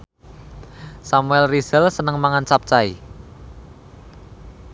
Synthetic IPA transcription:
samuɛlrisəlsənəŋmaŋant͡ʃap̚t͡ʃai

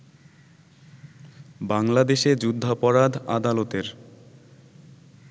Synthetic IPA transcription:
baŋlad̪eʃed͡ʑud̪ʱːapɔɾad̪ʱad̪alot̪eɾ

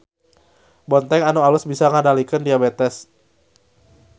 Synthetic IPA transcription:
bɔnt̪ɛŋanoalʊsbisaŋadalikəndiabɛt̪ɛs

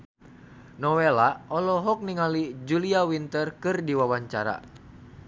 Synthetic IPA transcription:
nɔwɛlaɔlɔɦɔk̚niŋalid͡ʒuliawint̪ərkɨrdiwawaɲt͡ʃaɾa̰

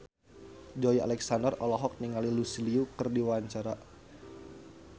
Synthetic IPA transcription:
d͡ʒɔja̰lɛksandərɔlɔɦɔk̚niŋalilusiliukɨrdiwaɲt͡ʃaɾa

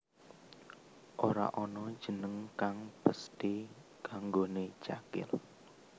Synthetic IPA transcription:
ʔoɾa̰ʔɔnɔd̥ʒ̥ə̤nəŋkaŋb̥əst̪i | kaŋɡonet͡ʃakɪ̰l

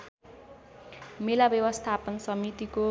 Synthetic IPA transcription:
melabjʌwʌst̪ʰapʌnsʌmit̪iko

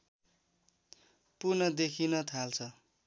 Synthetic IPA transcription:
purnʌd̪ekʰinʌt̪ʰalt͡sʰʌ

